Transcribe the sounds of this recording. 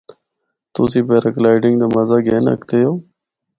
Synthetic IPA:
t̪oːsiːbeːɾəklaːɪɖɪŋɡd̪aːməzaːɡeːnə̰kt̪eːjoː

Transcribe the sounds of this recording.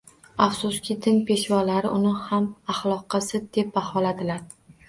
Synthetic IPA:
afsʊskʲɪd̪ɪnpʰe̞ʃvɒlaɾɪʔʊnɪhamaχlˠɒqʰɨsɪd̪e̞p̚bahɒlad̪ɪlaɾ

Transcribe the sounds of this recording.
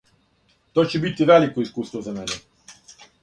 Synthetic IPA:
t̪oːt͡ɕebit̪iʋelikoiskuːst̪ʋozamene

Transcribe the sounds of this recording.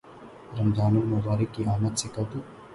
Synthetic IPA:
ɾɐmd̪ʱaːnʊlmɐbaːɾɪkːiaːmət̪sɪkɐd̪u

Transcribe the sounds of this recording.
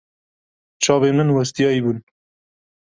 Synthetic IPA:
t͡ʃʰɑːβemɨnwɐst̪ijɑːibun

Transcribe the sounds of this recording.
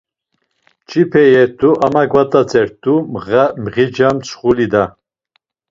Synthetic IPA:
t͡ʃʰipʰɛjɛɾd̪uʔamaɡvat̪ʼat͡sʰʼɛɾd̪umʁamʁid͡ʒamt͡sʰχulid̪a

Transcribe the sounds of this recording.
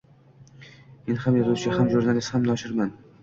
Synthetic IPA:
me̞nhamjazʊwt͡ʃʰɪhamʒuɾnalɪst̪hamnɒʃɪɾman

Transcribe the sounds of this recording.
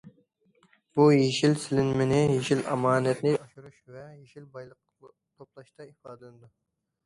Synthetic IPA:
bujeʃilsɪlɪnmɪnɪjeʃilʔɑ̰mɑːnɛt̪nɪɑʃuɾuʃvɛjeʃilbɑjlˠəq | t̪ʰoplˠɑʃt̪ɑifɑːd̪ɪlnɨd̪u

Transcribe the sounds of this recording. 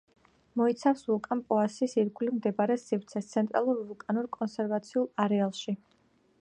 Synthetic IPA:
mɔit̪sʰafsvulˠkʼampʼɔasisiɾɡʰʼulimd̪ɛbaɾɛsifɾt̪sʰɛst̪sʰɛnt̪ʼɾalˠuɾvulˠkʼanuɾkʼɔnsɛɾvat̪sʰiulˠaɾɛalˠʃi

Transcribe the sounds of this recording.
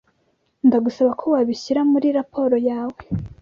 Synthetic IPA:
ndaɡusaβakʰowaβiɕiɾamuɾiɾapʰo̞ɾo̞jaːwe

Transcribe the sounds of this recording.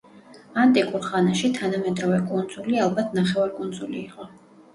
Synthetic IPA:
ant̪ʼikʼuɾχanaʃit̪ʰanamɛd̪ɾɔvɛkʼund̪zulialˠbat̪ʰnaχɛvaɾkʼund̪zuliːqʼɔ

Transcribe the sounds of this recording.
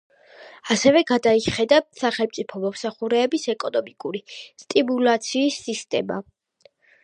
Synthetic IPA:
asɛvɛɡad̪aiχɛd̪at̪saχɛlmt̪sʼipʰɔmɔmsaχuɾɛːbisɛkʼɔnɔmikʼuɾist̪ʼimulat̪sʰiːsːist̪ʼɛ̰ma̰

